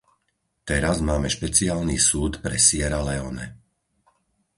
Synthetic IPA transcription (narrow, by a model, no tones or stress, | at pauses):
t̪ɛɾazmaːmɛʃpɛt͡siaːlniːsuːt̪pɾɛsɪɛɾalɛɔnɛ̰